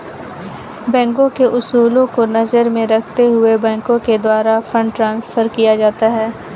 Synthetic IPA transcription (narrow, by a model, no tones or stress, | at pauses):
bɛ̃ːŋkõkeʔʊsuːlõkonɐzəɾmẽɾɐkʰt̪eɦʊebɛ̃ːŋkõked̪waːɾafʰə̃ɳɖʈɾãːnsfʰəɾkijad͡ʒaːt̪aɦɛː